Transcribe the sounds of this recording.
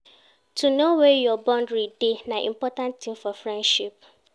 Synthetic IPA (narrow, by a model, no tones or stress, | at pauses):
tʰunowɛjɔbɔ̃ndɹidenaʔḭ̃mpɔtãntĩmfɔfɹɛ̃ndʃip̚